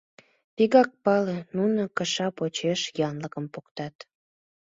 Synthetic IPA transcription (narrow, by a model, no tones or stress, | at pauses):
piɣɑk̚pɑlenunəkəʃɑpot͡ɕeʃjɑnləkəmpokt̪ɑt̪